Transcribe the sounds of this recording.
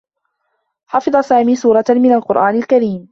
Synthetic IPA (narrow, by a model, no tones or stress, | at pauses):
ħɑfɨd̪ˤɑsaːmiːsuːɾˤɑmɪnalqʊɾʔaːnɪlkaɾiːm